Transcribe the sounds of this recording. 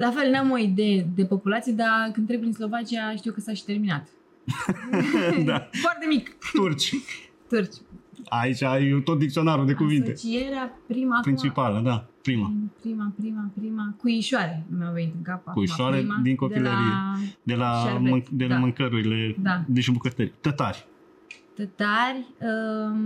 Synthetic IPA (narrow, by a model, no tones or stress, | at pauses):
lafe̞lnamo̞id̪eed̪e̞po̞pulat̪sijed̪akɨnt̪ɾekinslo̞vat͡ʃiaʃt̪iuwkəsaʃi̥t̪e̞rminat̪ | d̪afoart̪e̞mikt̪urt͡ʃʲ | t̪urt͡ʃʲait͡ʃʲajt̪ot̪̚d̪ik̚t̪io̞naɾud̪ekuvint̪e̞t͡ʃieɾapɾimapɾint͡ʃipaləd̪apɾimapɾimapɾimapɾimakujiʃoaɾemewvenit̪ɨŋkapakujiʃoaɾemd̪iŋkop̪ileɾied̪e̞lamɨd̪elamɨŋkəɾuɾile̞d̪ad̪eʃimbukət̪əɾʲt̪ət̪aɾʲ | t̪ət̪aɾʲə